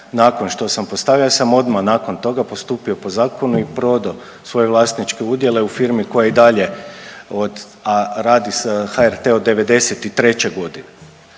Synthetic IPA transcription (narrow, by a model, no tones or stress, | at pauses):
nako̞nʃt̪o̞sampo̞st̪aʋiasamo̞d̪manaːko̞nt̪o̞ɡapo̞st̪uːpio̞po̞zaːko̞nuipɾo̞d̪a | sʋo̞je̞ʋlˠaːst̪nit͡ʃke̞ud̪je̞le̞ufiɾmiko̞jaid̪aʎe̞od̪ | aɾaːd̪isxaeɾt̪e̞od̪ːe̞ʋe̞d̪e̞set̪it̪ɾe̞t͡ɕe̞ɡo̞d̪ine